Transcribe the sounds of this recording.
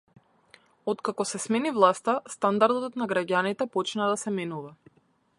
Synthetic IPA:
ɔt̪kakɔsɛsmɛnivlˠast̪ast̪and̪aɾd̪ɔt̪naɡɾaɟanit̪ɛpɔt͡ʃnad̪asɛmɛnuva

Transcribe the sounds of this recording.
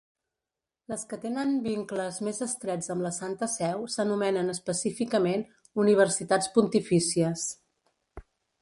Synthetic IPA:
ləskət̪enəmbiŋkləzmezəst̪ɾɛd͡zəmləsant̪əsɛwsənumɛnənəspəsifikəmen | uniβ̞əɾsit̪at͡spunt̪ifisiəs

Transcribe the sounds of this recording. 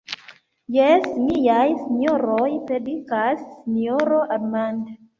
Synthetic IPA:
jesmijajsiɲoɾojpɾedikasːinoɾoʔaɾmand

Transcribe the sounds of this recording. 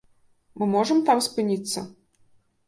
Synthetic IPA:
mɨmɔʐɐmt̪amspɨnʲit̪sːɐ

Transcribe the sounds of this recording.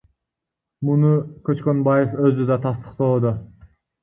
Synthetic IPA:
munukøt͡ʃkø̞nbaje̞fø̞zyd̪ɑt̪ʰɑst̪ə̥qt̪oːd̪o

